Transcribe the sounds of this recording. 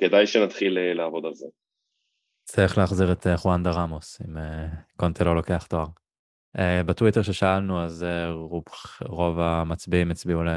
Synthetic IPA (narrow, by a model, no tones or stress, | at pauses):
ked̪ajʃenat̪χilelaavo̞d̪alze | t͡siχleaχziʁet̪eχwand̪aʁamosimekont̪ʰelo̞lo̞ke̞aχtoaʁ | ebetwiteʁʃeʃaalnuazeʁuʁo̞vamat͡sbiimet͡sbiule